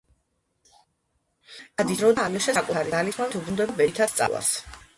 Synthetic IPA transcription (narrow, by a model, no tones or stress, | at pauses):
ad̪id̪ɾɔd̪aamiʃɛsakʼutʰaɾialismat̪ʰubɾund̪ɛbɛt̪ʰast̪sʼa̰la̰s